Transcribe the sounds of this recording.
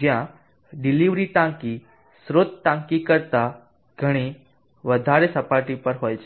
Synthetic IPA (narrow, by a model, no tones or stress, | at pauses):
d͡ʒjã | ɖiliʋɾiʈãŋki | sɾot̪̚ʈãŋkikəɾt̪a | ɡ̥ʱəɽ̃i | ʋəd̪ʱaɾesəpaʈipəɾɦojt͡ʃʰe